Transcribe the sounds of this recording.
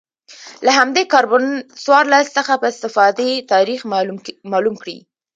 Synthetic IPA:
laɦamd̪ekɑɾbʊnswɑɾlasːəxapəɪst̪ɪfɑd̪et̪ɑɾixmɑlumkɽḭ

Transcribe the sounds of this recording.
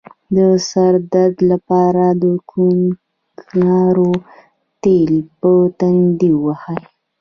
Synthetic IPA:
d̪əsaɾd̪ad̪lapɑɾad̪əkʰun | knɑɾo | t̪elpət̪and̪iwahaj

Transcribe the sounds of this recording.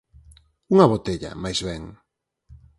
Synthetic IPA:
uŋɐβot̪eʎa̰majzβɛŋ

